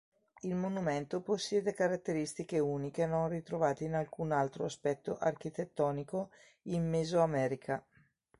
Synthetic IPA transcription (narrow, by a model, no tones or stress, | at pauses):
ilmonument̪oposːjɛːd̪ekaɾat̪ːeɾist̪ikeuːnikenonrit̪ɾovaːt̪einalkunalt̪ɾoaspɛt̪ːoʔark̟it̪et̪ːɔːniko | immezoamɛːɾikʰa